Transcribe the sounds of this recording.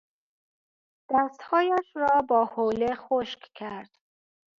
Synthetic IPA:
d̪̥æst̪hɒːjæʃɾɒːbɒːholexoʃkkʰæɾd̪̥

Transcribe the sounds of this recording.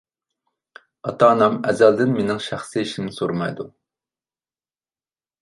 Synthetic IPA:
ɑt̪ɑːnɑmɛzɛld̪ɪnmenɪŋʃæχsiiʃɪmnɪsoɾmɑjd̪u

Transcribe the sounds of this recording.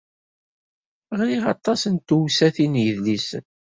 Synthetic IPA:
ʁliʁɑ̰t̪ˤːɑsənt̪uwsæθinjəðlisən

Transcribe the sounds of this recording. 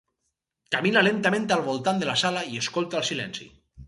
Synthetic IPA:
kaminalent̪amẽnt̪ealβ̞olt̪and̪elasalaieskolt̪alsilɛ̰nsḭ

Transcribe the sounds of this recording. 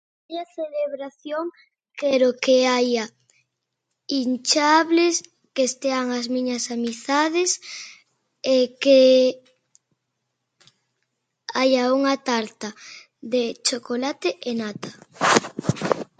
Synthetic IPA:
ajaθeleβɾaθjoŋ | keɾokeaja | int͡ʃaβles | kest̪eaŋazmĩɲɐsamisθaðes | eke | ajauŋat̪aɾt̪a | ðet͡ʃokolat̪eʔenat̪ɐ

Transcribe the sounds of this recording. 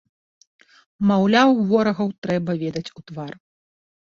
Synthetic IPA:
mawlʲawvɔɾɐɣɐwt̪ɾɛbɐvʲɛd̪ɐt͡sʲut̪var

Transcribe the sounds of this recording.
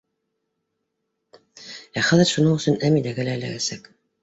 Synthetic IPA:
æχæðɘɾʃunɤɴɵ̆sɵnæmilæɡælæːlæ̰ɡæsæk

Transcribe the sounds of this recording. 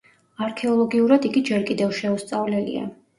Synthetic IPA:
aɾkʰɛɔlˠɔɡiuɾad̪iɡid͡ʒɛɾkʼid̪ɛvʃɛust̪sʼavlɛlḭa̰

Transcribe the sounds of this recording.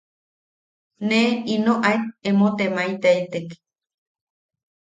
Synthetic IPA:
neinoʔajt̪̚emot̪emait̪eit̪ek

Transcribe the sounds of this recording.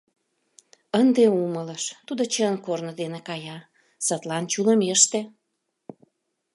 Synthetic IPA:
ənd̪eumələʃt̪ud̪ot͡ɕənkornəd̪enekɑjɑ | sət̪lɑnt͡ɕuləmeʃt̪e

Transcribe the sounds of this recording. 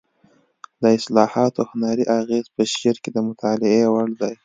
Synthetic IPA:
d̪əɪslɑhɑt̪ohʊnɑɾiʔaɣezpəʃeɾked̪əmʊt̪ʰɑlɪewaɽd̪aj

